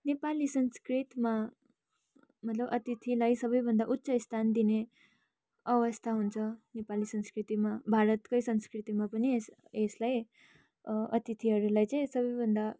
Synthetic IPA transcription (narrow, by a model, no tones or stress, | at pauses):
nepalisʌnskrit̪ma | mʌt̪lʌbʌt̪it̪ʰilajsʌbʌjbʱʌnd̪aʔut̪ːsʌist̪ʰand̪ine | ʌwʌst̪ʰaɦunt͡sʰʌnepalisʌnskrit̪imabʱaɾʌt̪kʌjsʌnskrit̪imapʌnis | eslaj | ʌ̰t̪it̪ʰiɦʌɾulajt͡saĩsʌbʌjbʱʌnd̪a